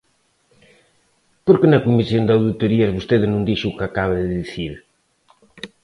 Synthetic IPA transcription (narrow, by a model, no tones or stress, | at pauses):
poɾkenɐkumisjond̪awðit̪uɾiɐzβust̪eðnũnd̪iʃuukakaβaðɪðiθiɾ